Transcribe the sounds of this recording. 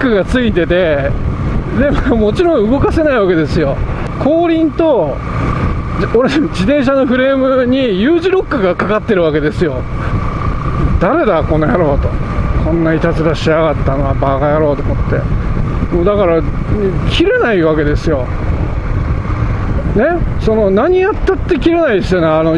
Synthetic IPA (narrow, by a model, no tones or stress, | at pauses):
kːɯɡat͡sɨit̪e̞t̪e̞ | d̪e̞momo̞t͡ɕiɾõɯ̟ɡo̞kase̞naiβake̞d̪esɨjo̞ | kʰo̞ːɾʲĩnt̪o̞ | oɾed͡ʑit̪ẽ̞ɰ̃ɕ̬ano̞ɸɯ̟ɾe̞ːmɯ̟ɲ̟ijɯːʑiɾo̞kːɯ̟ɡakakat̪ːe̞ɾɯ̟βake̞d̪e̞sɨjo̞ | d̪̥aɾe̞d̪ako̞nːojaɾo̞ːt̪o̞̰kʰõ̞nːait̪at͡sɨɾaɕiaɣat̪ːano̞βabaɡajaɾo̞ːt̪omot̪ːe̞̰moːd̪akaɾa | kʲʰiɾe̞naiβake̞d̪e̞sɨjo̞ | ne̞so̞no̞naɲ̟ijat̪ːat̪ːe̞kʲiɾe̞naid̪esjoneano